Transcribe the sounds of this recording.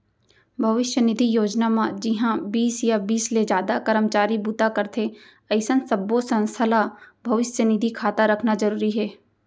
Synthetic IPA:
bʱɐʋɪʃjənɪd̪ʱijoːd͡ʒnamãd͡ʒɪɦãbiːsjabiːsled͡ʒjaːd̪akəɾəmt͡ʃaːɾibut̪akəɾt̪ʰe | ɐɪsənsəbosə̃nst̪ʰəlabʱɐʋɪʃjənɪd̪ʱikʰaːt̪aɾəkʰnad͡ʒəɾuːɾiɦɛː

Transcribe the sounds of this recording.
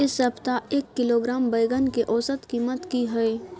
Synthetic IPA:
ɪsɐpt̪aeːkːɪloːɡɾaːmbɐjɡənkeʔɔːsət̪kiːmət̪kiɦɛe

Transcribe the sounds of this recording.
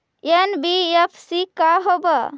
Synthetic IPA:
enbiepʰsikaɦobə

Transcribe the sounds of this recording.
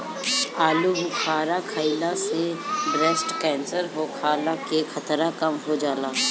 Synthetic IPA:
aːlubʱʊkʰaːɾakʰəɪlasebɾesʈkɛ̃ːnsəɾɦoːkʰaːlakekʰɐt̪ɾakɐmɦod͡ʒaːlaː

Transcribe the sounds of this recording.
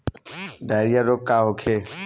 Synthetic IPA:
ɖaɾjaɾoːkːaːɦokʰe

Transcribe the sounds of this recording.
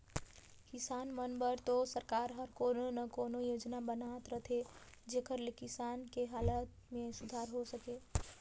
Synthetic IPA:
kisanmənbəɾt̪osəɾkaɾɦəɾkononəkonojod͡ʒnabənat̪ɾət̪ʰed͡ʒekəɾlekisankeɦalət̪ | mẽsud̪ʱaɾɦosəke

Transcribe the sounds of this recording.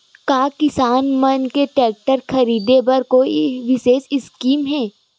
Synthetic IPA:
kaːkɪsaːnmɐnkeʈɛːk̚ʈəɾxʰɐɾiːd̪ebɐɾkoiʋɪʃeːʃɪskiːmɦɛː

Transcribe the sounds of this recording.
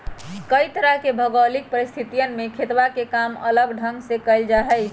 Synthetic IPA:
kəit̪əɾəɦkebʱəɡəlik̚pəɾist̪ʰit̪ijənmekʰet̪ʋakekamə̰ləɡɖʱəŋɡsekəɪld͡ʒaɦɛjʰ

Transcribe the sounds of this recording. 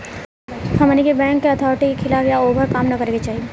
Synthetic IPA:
hɐmənikebɛ̃ːŋkːeɐt̪ʰɔːɾɪʈikikʰɪlaːfjaoːbʱəɾkaːmnɐkɐɾeːɡet͡ʃaːɦie

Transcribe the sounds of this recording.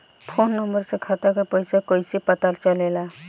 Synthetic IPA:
pʰonːəmbəɾsẽkʰat̪akepəjsakəjsepət̪aɾt͡ʃəlela

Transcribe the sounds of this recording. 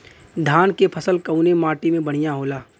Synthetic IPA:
d̪ʱaːnkepʰəsəlkəunemaːʈimẽbəɽ̤̃ijaɦoːlaː

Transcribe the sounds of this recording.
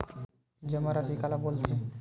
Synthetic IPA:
d͡ʒəmaɾasikalabolt̪ʰe

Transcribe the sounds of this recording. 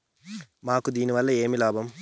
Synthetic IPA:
maːkud̪iːniʋɐlːɐeːmilaːbʱɐm

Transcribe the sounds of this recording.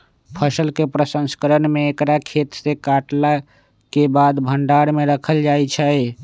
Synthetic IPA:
pʰəsəlkepɾəsə̃nskəɾənmeːkɾakʰet̪sekaʈla | kebad̪bʱəɳɖaɾmeɾəkʰəld͡ʒajt͡ʃʰə

